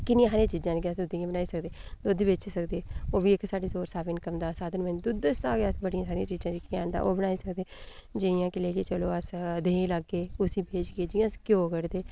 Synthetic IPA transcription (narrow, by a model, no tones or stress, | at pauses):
kɪnĩːãːsaːɾɪãːt͡ʃiːzãːnːkɪəsd̪ʊd̪iːjãːbənaːiːsəkd̪eːd̪oːd̪eːbɪt͡ʃsəkd̪eːoːbiːɪksaːɖeːsoːɾsaːbɪnkəmd̪aːsaːd̪ənmɛːnd̪ʊd̪əst̪aːkeːəsbəɽijãːsaːɾiãːt͡ʃiːzãːd͡ʒiːkaːnd̪a̰ːʔo̰ːbənaːiːsəkd̪eːd͡ʒɪjãːkɪleːlit͡ʃəloːəsd̪eːləɡːeːʊsiːbeːd͡ʒɡeːd͡ʒɪjãːskjoːkəɾd̪eː